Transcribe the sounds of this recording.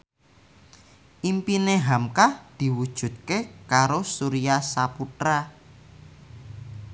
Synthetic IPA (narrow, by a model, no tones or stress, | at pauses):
ʔimpineɦamkahd̪̥i̤wud̥ʒ̥ṳt̪̚kekaɾosuɾiasaput̪ɾa